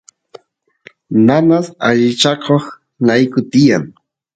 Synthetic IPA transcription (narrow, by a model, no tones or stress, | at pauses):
nanasaʎɪt͡ʃakʰoχ | lajkʊt̪ɪjaŋ